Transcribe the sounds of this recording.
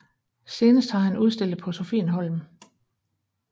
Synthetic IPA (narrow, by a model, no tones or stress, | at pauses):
se̝ːnəsd̥hɑ̈ɦænuð̞ˠsd̥e̝l̰d̩ˠpʰɒ̽so̝fenɦɒ̽lm